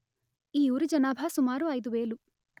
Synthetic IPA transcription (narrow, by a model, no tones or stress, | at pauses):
iːuːɾid͡ʒɐnaːbʱasumaːɾuɐjd̪uʋeːlu